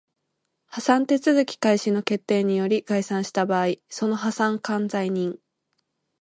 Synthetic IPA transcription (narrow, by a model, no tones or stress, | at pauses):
hasãnt̪e̞t͡sɨzɨkʲi̥kaiɕino̞ke̞t̪ːe̞ːɲ̟ijo̞ɾʲiɡ̥aisãɰ̃ɕi̥t̪abaːiso̞no̞ɦasãŋkãnd͡zaiɲ̟ĩŋ